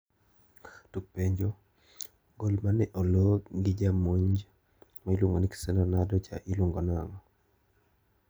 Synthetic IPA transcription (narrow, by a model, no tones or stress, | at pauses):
tuk̚peɲd͡ʒo | ɡolmanɪʔɔloɡɪd͡ʒamoɲd͡ʒ | mailwʊŋɡɔniksɛnɔnadɔt͡ʃa̰ʔiluŋɡɔnaŋɔ